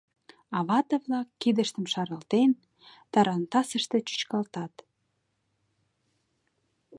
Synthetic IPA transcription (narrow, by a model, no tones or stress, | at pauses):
ɑβɑt̪əvlɑkːid̪əʃt̪ə̆mʃɑɾəlt̪en | t̪ɑɾɑnt̪ɑsəʃt̪ĕt͡ɕy̥t͡ɕkɑlt̪ɑt̪